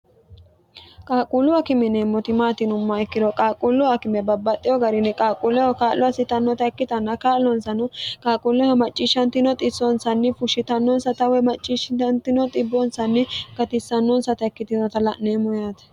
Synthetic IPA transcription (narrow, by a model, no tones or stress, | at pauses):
kʼaːkʼulʊɐkɪmɪneːmːɔt̪ɪmaːt̪ɪnʊmːɐɛkːɪd̪ɔkʼaːkʼulːʊɐkɪmɛbɐbːɐt̪ʼːɪjɔɡɐɾɪnɛkʼaːkʼulɛhɔkaːlːʔɔɐsɪt̪ɐnːɔt̪ɐɛkːɪt̪ɐnːɐkaːlːɔnsɐnɔkʼaːkʼulɛhɔmɐt͡ʃʼːiːʃɐnt̪ɪnɔt̪ʼɪsɔnsɐnːɪfʊʃɪt̪ɐnːɔnsɐt̪ɐwɛmɐt͡ʃʼːiʃɐnt̪ɪnɔt̪ʼɪbːɔnsɐnːɪɡ̥ɐt̪ɪsːɐnːɔnsɐt̪ɐɛkːɪt̪ɪnɔt̪ɐlɐʔneːmɔjaːt̪ɐ̥